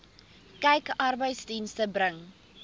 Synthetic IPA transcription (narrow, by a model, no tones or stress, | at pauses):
kɛjkʔɐrbəjtsdinstəbɾəŋ